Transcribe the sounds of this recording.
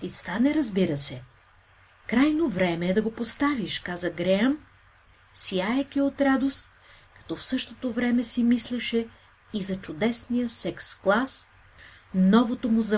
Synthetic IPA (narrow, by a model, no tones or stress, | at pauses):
t̪ist̪anɛɾɐzbiɾɐsɛ | kɾajnovɾɛmɛːd̪ɐɡopost̪aviʃkazɐɡɾɛəm | siajɛkʲiot̪ɾad̪os | kɐ̥t̪ɔfsɤʃt̪ot̪ovɾɛmɛsimislɛʃɛ | izɐt͡ʃʊd̪ɛsnijəsɛksklˠas | nɔvot̪omʊzɐ